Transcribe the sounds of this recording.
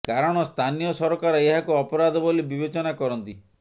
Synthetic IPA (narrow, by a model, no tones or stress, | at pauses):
kaɾɔɽ̃ɔst̪ʰanijɔsɔɾɔkaɾɔeɦakuɔpɔɾad̪ʱɔbolibibet͡ʃɔnakɔɾɔnt̪i